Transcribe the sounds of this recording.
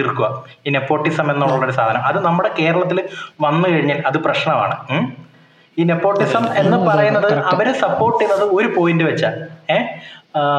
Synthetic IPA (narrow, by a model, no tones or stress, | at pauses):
irkːuʋɐ | iːne̞pːo̞ːʈːisɐme̞nːoːɭːɐɭːoɾusaːd̪ʰʱɐnɐmɐðɨnɐmːuɽe̞ke̞ːɾɐɭɐt̪ːilʋɐnːɨkɐɻiɲːɐlɐðɨprɐɕɳɐma̰ːɳɨ | iːnepːo̞ːʈːisɐme̞nːɨppɐrɐjunːɐðɨɐʋɐɾesɐpːo̞ːrʈːinːɐðɨo̞ɾupo̞ːjindɨʋɐt͡ɕːaleː